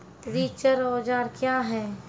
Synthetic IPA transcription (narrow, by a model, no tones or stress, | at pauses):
ɾiːt͡ʃəɾɔːd͡ʒaːɾkjaːɦɛː